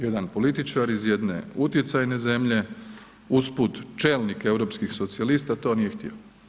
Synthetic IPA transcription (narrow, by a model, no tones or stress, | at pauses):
jed̪anpo̞lit̪it͡ʃaɾizje̞d̪nḛut̪jet̪sajne̞ze̞mʎe̞ | usput̪t͡ʃeːlnike̞wɾo̞pskixsot̪sialist̪at̪o̞nijext̪ḭo